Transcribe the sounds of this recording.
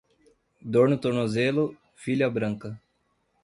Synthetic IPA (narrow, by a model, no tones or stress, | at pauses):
d̪oɾnʊt̪oɾnozelʊ | fiʎɐbɾɐ̃ŋkɐ